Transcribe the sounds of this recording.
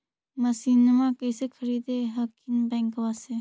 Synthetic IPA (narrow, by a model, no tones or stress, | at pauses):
məsiːnmãkeːsekʰəɾiːd̪eɦəkʰinbɛ̃ŋkʋaːse